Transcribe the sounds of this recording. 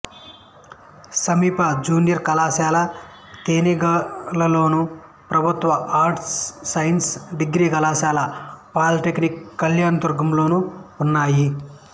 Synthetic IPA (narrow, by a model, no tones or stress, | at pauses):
sɐmiːpɐd͡ʒuːnijɐɾkɐlaːʃaːlɐ | t̪eːniɡɐlɐlo̞ːnu | pɾɐbʱut̪ʋɐʔaːɾʈsːɐjnsɖiɡɾiːkɐlaːʃaːlɐpaːlʈeknikːɐljaːnɐt̪uɾɡɐmlo̞ːnuunːaːji